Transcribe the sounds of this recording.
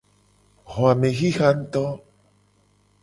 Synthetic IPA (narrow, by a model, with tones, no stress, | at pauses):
ɣo˨a˨mẽ˨ɣi˦xa˦n̩˦t̪ɔ˦